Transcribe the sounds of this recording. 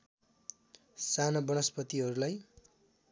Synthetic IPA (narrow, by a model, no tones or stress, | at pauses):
sanʌbʌnʌspʌt̪iɦʌɾulaj